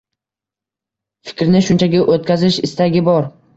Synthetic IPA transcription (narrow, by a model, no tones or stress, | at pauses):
fɪ̥kʲɾnɪʃʊnt͡ʃʰaɡʲaʔot̪̚kʲʰazɪʃɪst̪aɡʲɪbɒɾ